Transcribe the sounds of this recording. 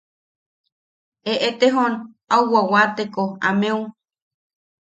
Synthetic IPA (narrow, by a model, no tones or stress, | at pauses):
eʔet̪eɦon | awwawat̪ekoa̰mẽũ